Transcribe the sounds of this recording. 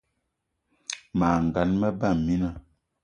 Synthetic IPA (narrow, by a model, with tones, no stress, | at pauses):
ma˨ŋ˨ɡa˨˦nmə˦ba˦˨mːi˦na˦˨